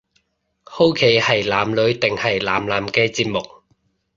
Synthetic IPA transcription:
ho˥wkʰe˨˥jhɐ˨jlaː˨mlɵ˨˧ɥt̪ɪ˨ŋhɐ˨jlaː˨mlaː˨˥mkɛː˧t͡siː˧p̚mʊ˨k̚

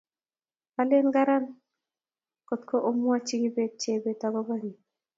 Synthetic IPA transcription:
ale˦nɡa˦ɾa˦n | ko˨tko˦ʔo˦mu˦a˦t͡ʃi˦ɡibe˦t͡ʃe˨betaɡɔbani˨

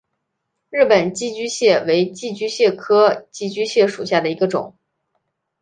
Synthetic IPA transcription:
ɻɻ̩˥˩pə˨˩nt͡ɕi˥t͡ɕy˥ɕjɛ˥˩we˧˥ɪt͡ɕi˥˧t͡ɕy˥ɕjɛ˥˩kʰɤ˥t͡ɕi˥˩t͡ɕy˥ɕjɛ˥˩ʂu˨˩ɕja˥˩d̪ə˩i˧˥ɡə˧ʈ͡ʂʊ̰˨˩˦ŋ

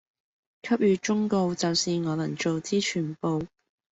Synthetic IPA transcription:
kʰɐ˥p̚jyː˨˧t͡ʃʊ˥ŋko˧wt͡sɐ˨wsiː˨ŋɔː˨˧lɐ˨˩ŋt͡ʃo˨wt͡siː˥t͡ʃʰyː˨˩npo˨w

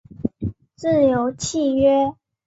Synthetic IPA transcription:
t͡sɹ̩˥˩ljo˧˥ʊt͡ɕʰi˥˨ɥɛ˥

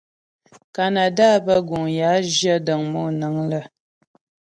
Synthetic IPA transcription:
ka˨na˨da˦bə˦ɡu˨ŋja˨˦ʒjə˦də˨ŋmɔ˦˨nə˨˦ŋlə˦˨

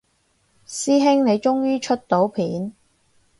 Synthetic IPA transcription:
siː˥ɦɪ˥ŋne˨˧jt͡ʃʊ˥ŋjyː˥t͡ʃʰɵ˥t̚t̪o˨˥wpʰiː˨˥n

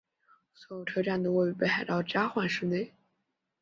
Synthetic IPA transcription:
swɔ˧˥jo˨˩ʊʈ͡ʂʰɤ˥ʈ͡ʂa˥˩nd̪ə˨˩wɔ˥˩y˧˩pe˥˩ɪxa˧˩ɪt̪ɑ˥˩ʊt͡ɕja˥xwa˥˩nʂɻ̩˥ne˥˩ɪ

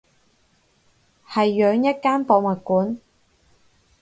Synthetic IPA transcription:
hɐ˨jːœː˨˧ŋjɐ˥t̚kaː˥npoː˨˧wmɐ˨t̚kuː˨˥n

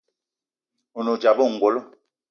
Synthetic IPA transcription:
o˨no˨d͡ʒa˨bo˦˨ŋ̩˨ɡwo˨lo˦

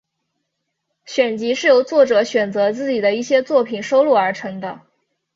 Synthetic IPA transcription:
ɕɥɛ˨˩nt͡ɕi˧˥ʂɻ̩˥˩jo˧˥ʊt͡swɔ˥˩ʈ͡ʂɤ˨˧˥ɕɥɛ˨˩nt͡sɤ˧˥t͡sɹ̩˥˩t͡ɕi˨˩d̪ə˦i˥˩ɕjɛ˥t͡swɔ˥˩pʰi˨˩nʂo˥ʊlu˥˩ə˞˧˥ʈ͡ʂʰɤ˧˥ŋd̪ə˧

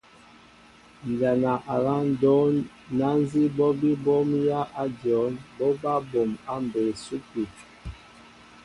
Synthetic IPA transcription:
n˨d͡ʒa˨na˨ʔa˨la˦n˦dɔ˨˦ | na˦n˦zi˦bɔ˦bi˦bɔ˦mja˦ʔa˦d͡ʒjɔ˨˦nbɔ˦ba˦bo˨ma˦m˨be˨su˦ki˨t

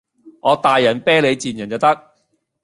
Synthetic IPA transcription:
ŋɔː˨˧t̪aː˨jːɐ˨˩npɛː˥le˨˧jt͡siː˨˩njɐ˨˩nt͡sɐ˨wt̪ɐ˥k̚

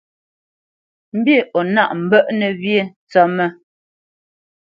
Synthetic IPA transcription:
m̩˦bje˦˨ɔ˨na˦˨ʔm̩˨bə˦ʔnɛ˨βje˦˨n˨t͡sɔ˦mɛ˦˨

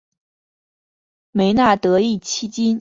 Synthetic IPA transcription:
me˧˥ɪna˥˩t̪ɤ˧˥i˥˩t͡ɕʰi˥t͡ɕi˥n

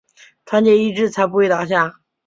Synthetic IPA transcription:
tʰwa˧˥nt͡ɕjɛ˥˩i˥ʈ͡ʂɻ̩˥˩t͡sʰa˧˥p̬u˧˥xwe˥˩ɪt̪ɑ˨˩ʊɕ̬ja˥˩

